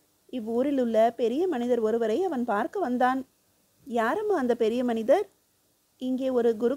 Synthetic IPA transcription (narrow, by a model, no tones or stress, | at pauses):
ɪʋːuːɾɪlɯɭːɐpɛɾɪjɐmɐnɪðɐɾɔɾɯʋɐɾɐɪɐʋɐnpaːɾkɐʋɐnd̪aːn | jaːɾɐmaːɐnd̪ɐpɛɾɪjɐmɐnɪðɐɾ | ɪŋɡeːɔɾɯɡʊɾʊ